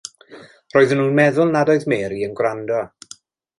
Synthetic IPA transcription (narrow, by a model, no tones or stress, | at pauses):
roːɨðənuːnmɛðʊlˠnadɔɨðmeːɾiənɡwrandɔ